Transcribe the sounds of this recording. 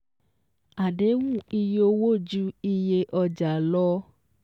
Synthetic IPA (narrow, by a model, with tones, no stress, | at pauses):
a˨ɖe˨˦ŋũ˦˨i˧jo˧wo˦˨d͡ʒu˦i˧je˧ʔɔ˧d͡ʒa˨lɔ˦